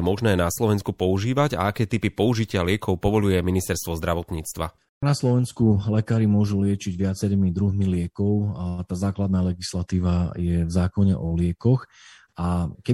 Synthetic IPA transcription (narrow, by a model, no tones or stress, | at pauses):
mɔʒnɛːnaslɔʋɛnskupɔuʒiːʋaɟa̰akɛːt̪ipipɔuʒicɪalɪɛkʰɔʊpɔʋɔʎujɛminist̪ɛɾst̪ʋɔzd̪ɾaʋɔt̪ɲiːt͡st̪ʋa̰ | naslɔʋɛnskulɛkaːɾimʊɔʒulɪɛt͡ʃiɟʋɪat͡sɛɾiːmid̪ɾuɦmilɪɛkɔʊt̪aːzaːklad̪naːlɛɡislat̪iːʋajɛvzaːkɔɲɛ̰ʔɔlɪɛkɔx | akɛ